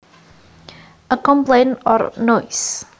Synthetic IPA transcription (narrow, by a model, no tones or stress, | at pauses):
əkɔ̃mplẽnɔ̰ɾnɔjs